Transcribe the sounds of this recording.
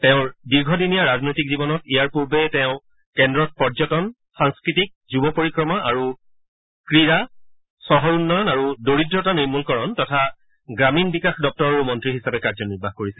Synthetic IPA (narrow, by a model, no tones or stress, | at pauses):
tɛʊ̃diɹɡʱɔdinijaɹaznojtik̚zibɔnɔtijaɹpuɹbɛtɛʊ̃ | kɛndɹɔt̚pɔɹzɔtɔn | xaŋskɹitik̚zubɔpoɹikɹɔmaʔaɹu | kɹiɹa | sɔɦɔɹunːɔjɔnaɹudoɹidɹɔtaniɹmulkɔɹɔntɔtʰa | ɡɹaminbikaxdɔp̚tɔɹɔɹumɔntɹiɦisabɛkaɹzɔniɹbʱaxkoɹisɛ